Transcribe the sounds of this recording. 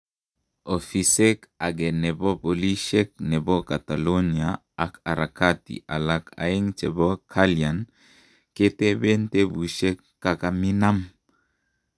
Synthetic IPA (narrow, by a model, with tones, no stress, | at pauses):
o˨fise˦ka˨ɡɛ˨nɛ˨bɔ˦po˨li˦ʃek̚nɛ˨bɔ˦ka˨t̪a˨lo˦niaː˨ | ka˨ɾa˨katḭ˨ʔa̰˨lakʰa̰˨e˦ŋt͡ʃɛ˨bɔ˦kʰalia˨n | ke˦te˦be˦nte˦bu˨ʃɛ˦kːa˨ka˨mi˦na˦m